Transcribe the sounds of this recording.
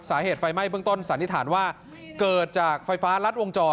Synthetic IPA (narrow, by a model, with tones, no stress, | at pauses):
saː˩˦ɦeː˨˩t̪̚fa˧jma˥˩jbɯ˥˩əŋt̪o˥˩nsaː˩˦ni˦˥t̪ʰaː˩˦nwaː˥˩ | kɤː˨˩t̪̚t͡ɕaː˨˩k̚fa˧jfaː˦˥ɾa˦˥t̪̚wo˧ŋt͡ɕɔː˧